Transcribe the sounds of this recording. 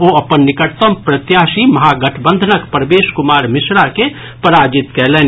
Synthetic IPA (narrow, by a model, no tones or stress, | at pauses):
oːɐpənːɪkəʈt̪əmpɾət̪jaːsimɐɦaɡəʈʰbə̃nd̪ʱənəkpɾəbeːʃkʊmaːɾmɪsɾake | pəɾaːd͡ʒɪt̪kɛɦlẽːn